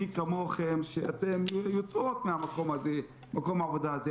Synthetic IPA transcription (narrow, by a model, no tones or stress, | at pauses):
ikamoχemʃeat̪emjot͡sot̪meamako̞mhaze | mako̞maːvod̪aaze